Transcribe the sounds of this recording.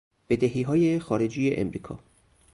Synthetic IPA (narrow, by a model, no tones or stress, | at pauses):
b̥e̞d̪eɦiːɦɒːjexɒːɾe̞d͡ʒiːjeʔemɾiːkʰɒ̰ː